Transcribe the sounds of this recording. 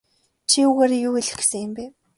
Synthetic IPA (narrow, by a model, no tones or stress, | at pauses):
t͡ɕʰiuɣeːɾejuːeɮɘ̆xɡsɘ̆ŋɘ̆mpeː